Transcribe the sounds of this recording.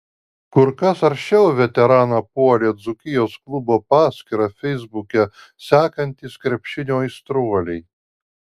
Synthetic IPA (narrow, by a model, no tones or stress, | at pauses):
kʊɾkɐsɐɾʲʃʲt͡ʃʲɛʊʋʲɛt̪ʲɛɾɑːnɐpuɔlʲeːd̪zʊkʲɪjoːsklˠʊboːpɑːsʲkʲɪɾɐfʲɛɪzbʊkʲɛ | sʲæːkɐnʲt̪ʲiːskɾʲɛpʲʃʲɪnʲoːist̪ɾuɔlʲɛɪ